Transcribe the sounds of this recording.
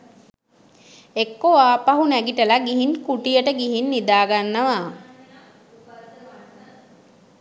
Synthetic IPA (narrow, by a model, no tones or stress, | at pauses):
ekːoʋaːpaɦunæɡiʈəlaɡiɦinkuʈijəʈəɡiɦinːid̪aːɡanːəʋaː